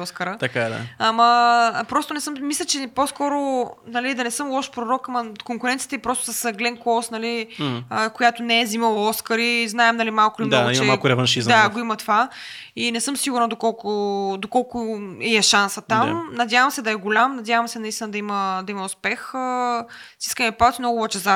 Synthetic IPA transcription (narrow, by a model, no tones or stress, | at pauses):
ɔskəɾət̪ɐkaɛd̪a̰amɐpɾɔst̪ʊnɛsɤmmislʲət͡ʃɛposkɔɾonɐlid̪ɐnɛsɤmlˠɔʃpɾoɾɔkɐmɐkoŋkʊɾɛnt̪siə̥t̪ɛipɾɔst̪ʊ̥sɐsɡlɛŋkɔsnɐliəkojat̪ʊnɛɛziməvoɔskəɾiznaɛmnɐlimalˠkʊilimnaɡit͡ʃmɛmakʊɾɛvɐnʃizd̪aaɡoimɐt̪ova | inɛsɤmsiɡuɾnɐd̪okɔlˠkʊd̪okɔlˠkʊɛɛʃansət̪amnɐdʲjavəmsɛd̪ɐɛɡʊlʲamnɐdʲjavɐmsɛnɐist̪inɐd̪ɐiməd̪ɐimɐʊspɛxəsi̥skəmɛpad̪t̪ʲimnɔɡʊːvɛt͡ʃɛza